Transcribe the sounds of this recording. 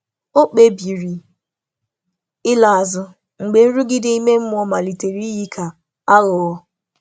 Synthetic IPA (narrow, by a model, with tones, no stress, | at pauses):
o˦k͡pe˨bi˨ɾi˨ | ɪ˦la˨a˨zʊ˨ | ŋ͡m̩˨ɡ͡be˨n̩˦ɾu˦ɡɪ˦dɪ˦i˦me˦m̩˦mʊ˦ɔ˨ma˨li˨te˨ɾi˦ji˦kʰa˨ | a˦ɣʊ˨˦